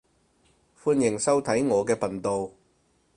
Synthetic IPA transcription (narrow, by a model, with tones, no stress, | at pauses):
fuː˧njɪ˨˩ŋsɐ˥wt̪ʰɐ˨˥jŋɔː˨˧kɛː˧pʰɐ˨˩nt̪o˨w